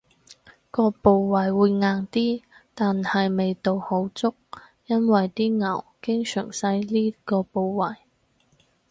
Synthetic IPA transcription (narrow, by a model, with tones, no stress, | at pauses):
kɔː˧po˨˧wwɐ˨˩jwuː˨˧jŋaː˨ŋt̪iː˥t̪aː˨nhɐ˨jme˨jt̪o˨who˨˥wt͡sʊ˥k̚ | jɐ˥nwɐ˨jt̪iː˥ŋɐ˨˩wkɪ˥ŋsœ̰ː˨˩ŋsɐ˧jliː˥kɔː˧po˨˧wwɐ˨˩j